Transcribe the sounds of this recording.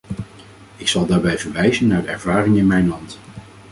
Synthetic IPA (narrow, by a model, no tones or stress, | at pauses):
ɪksɑlˠdaːɹbɛjvəɹʋɛjzənːaːɹdəɛ̰ɹvaːrɪŋɪnmɛjnlɑnt